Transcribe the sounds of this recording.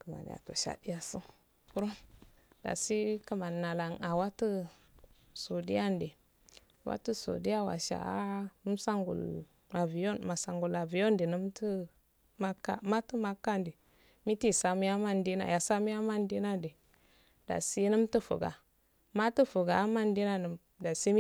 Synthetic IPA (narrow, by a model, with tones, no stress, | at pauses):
kə˨ma̰˨n̰˨a̰˨to̰˨ʃa̰˨di˦a˦sə˦n | ku˦ɾo˦m | d̥a̰˨si˦kə˦ma˨nː˨a˨la˨ŋa˨wa˦tə˦ | so˨di˦ja˦nde˨ | wa̰˦tə˦so̰˨di˦ja˦wa̰˨ʃa̰˨˦nə˦msa˦ŋɡṵ˨l | a˨vi˨jo˦nma˨sa˨ŋɡu˨la˨vi˨jo˦ndi˨nə˦mtə˦ | ma˦kːa˦ma˦tə˦ma˦kːa˦ndi˨ | mi˦ti˦˨sa˨mi˦ja˦ma˦ndi˦na̰˨ja˨sa˦mu˦ja˦ma˦ndi˦na˦di˨ | d̥a̰˨si˦nə˦mtu˦fṵ˨ɡa̰˨ | ma˦tə˦fu˨ɡa˨a˦ma˦ndi˦na˦nə˨m | da˨si˦m˦